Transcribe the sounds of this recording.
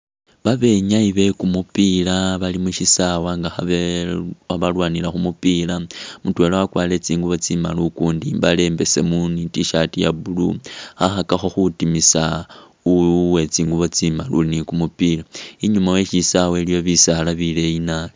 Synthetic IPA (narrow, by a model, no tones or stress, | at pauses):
βaβe̞ɲaiβe̞kumupilaβalimuʃisawaŋɡaxaβe | aβalwaːnilaxumupilamutwe̞lowakwaːle̞t͡siːŋɡuβo̞t͡sima̰lukuːndiβale̞mbe̞se̞munitiʃatijaβulṵxaxakaxo̞xutimisa | uwe̞t͡siːŋɡuβo̞t͡simalunikumupilaiɲumawe̞ʃisawelijo̞βisalaβile̞inal